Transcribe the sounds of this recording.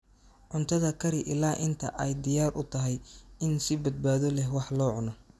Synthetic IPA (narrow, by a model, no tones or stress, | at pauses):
ʕʊnt̪ʰɐðɐkʰɐɾɪʔɪlaːʔɪnt̪ʰɐ̰ʔɛjd̪ɪjaːrʔʊt̪ʰɐɦɛjɪnsɪbɐd̪̚baːðɔlɛɦwɑħlɔːʕʊnɐ